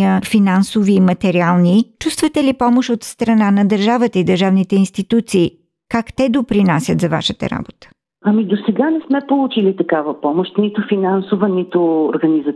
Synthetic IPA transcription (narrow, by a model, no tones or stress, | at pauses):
əfinansoviːmɐt̪ɛɾialˠnit͡ʃust̪vət̪ɛlipɔmoʃot̪st̪ɾɐnanɐd̪əɾʒavət̪əid̪əɾʒavnit̪ɛinst̪it̪ut̪siː | kakt̪ɛd̪opɾinasʲət̪zɐva̰ʃət̪ə̰ɾa̰bot̪ə̥ | ɐmid̪osɛɡanɛsmɛpolˠut͡ʃilit̪ɐkavəpɔmoʃt̪nit̪ʊfinansovənit̪ooɾɡɐnizə